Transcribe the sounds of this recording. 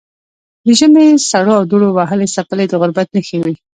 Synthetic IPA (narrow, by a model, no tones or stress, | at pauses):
d̪əʒəmesaɽoawd̪oɽowaɦəlesapəled̪əɣʊɾbat̪nəxewi